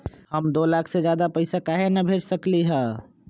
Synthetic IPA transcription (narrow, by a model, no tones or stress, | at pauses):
həmd̪oːlaːkʰsed͡ʒjaːd̪apəɪsakaːɦenɐbʱeːd͡ʒsəkliɦɛ̃ː